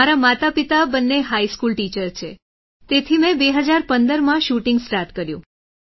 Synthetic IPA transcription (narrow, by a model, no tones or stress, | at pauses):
aɾamat̪apit̪abənːeɦaiskulʈit͡ʃəɾt͡ʃʰe | t̪et̪ʰimɛ̃beɦəd͡ʒaɾpənd̪əɾmãʃuʈɪ̃ŋɡsʈaɾʈkəɾjṵ̃